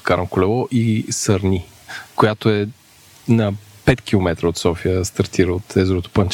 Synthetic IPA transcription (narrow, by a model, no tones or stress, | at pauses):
kaɾnkʊlɛlˠɔʔisəɾnʲi | kojat̪oɛ | nɐ | pɛt̪k̟ʲilˠomɛt̪ɾəot̪sɔfiəst̪ɐɾt̪iɾəot̪ɛzɾot̪o̥pənt͡ʃ